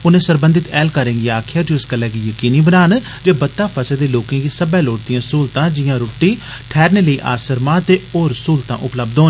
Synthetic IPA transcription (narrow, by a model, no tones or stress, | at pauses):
ʊnẽːsəɾbə̃nd̪ɪt̪ɛːlkəɾẽːɡiaːkʰjaːd͡ʒoɪskəlːɛːkiːjəkiːniːbənaːn | d͡ʒeːbət̪ːaːpʰəseːd̪eːloːkãːɡiːsəbɛːloːʈt̪ɪjãːsuːlt̪ãːd͡ʒɪjãːɾoːʈːiːʈʰɛːɾneːləiːʔa̰ːsəɾmãːt̪eːoːɾəsuːlt̪ã̰ːʔʊpləbd̪oːn